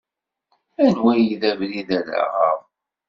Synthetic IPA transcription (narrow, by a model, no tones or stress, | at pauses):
ænwæjiðævliðælæ̰ʁəʁˤ